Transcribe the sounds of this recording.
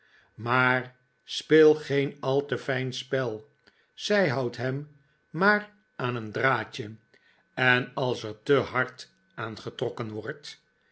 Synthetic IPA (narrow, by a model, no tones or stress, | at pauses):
maːɹ | spɪːlˠχejnɑlˠtəfɛjnspɛlˠ | z̥ɛjɦɑwtɦɛm | maːr | aːnəndraːcə | ɛnɑlˠsəɹtəɦɑɹt | aːnχətrɔkənʋɔɹt